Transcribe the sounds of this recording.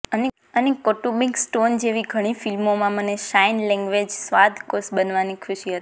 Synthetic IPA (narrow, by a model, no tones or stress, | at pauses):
əne | ənekoʈumiksʈond͡ʒeʋiɡʱəɽ̃ifilmomãməneʃajnlɛ̃ŋɡʋed͡ʒsʋad̪ʱkosbənʋanikʰʊʃiɦət̪i̥